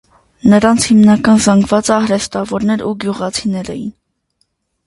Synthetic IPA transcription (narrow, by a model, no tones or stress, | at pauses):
nəɾɑnt͡sʰhimnɑkɑnzɑŋɡvɑt͡səɑhɾɛst̪ɑvɔɾnɛɾuɡjuʁɑt͡sʰinɛɾɛ̰jḭn